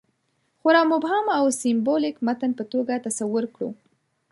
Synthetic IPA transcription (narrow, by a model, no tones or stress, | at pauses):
xʊɾɑmʊbhɑmawsɪmbolɪkmat̪anpət̪oɡat̪asawʊɾkɽṵ